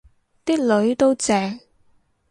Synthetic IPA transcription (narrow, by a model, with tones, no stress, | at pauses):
t̪iː˥k̚lɵ˨˧ɥt̪o˥wt͡sɛː˨˧ŋ